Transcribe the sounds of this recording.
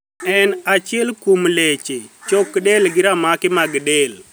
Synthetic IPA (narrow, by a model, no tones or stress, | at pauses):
ɛnat͡ʃɪɛlkumlet͡ʃet͡ʃokɗelɡɪɾamakɪmaɡɗel